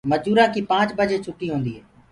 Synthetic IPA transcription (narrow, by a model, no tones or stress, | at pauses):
məd͡ʒuːɾãːkiːpãːt͡ʃbəd͡ʒeːt͡ʃʰʊʈːiːɦõːnd̪iːɦɛː